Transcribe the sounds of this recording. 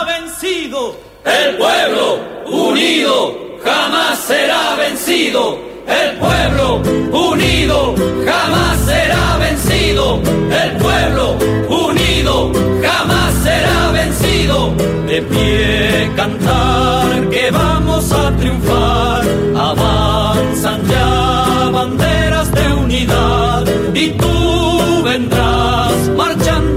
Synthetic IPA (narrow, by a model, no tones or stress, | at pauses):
βensiðo | elpweβlouniðo | xamasːeɾaβensiðo | elpweβlouniðoxamasːeɾaβe̞nsiðoelpweβlo | uniðoxamasːe̞ɾaβe̞nsiðo | pefje | kant̪aɾke̞βamo̞sat̪ɾijuɱfaɾɾ | aβa | nsand͡ʒa | βand̪e̞ɾazðe̞uniða | ð | it̪u | βe̞nd̪ɾa | smaɾt͡ʃan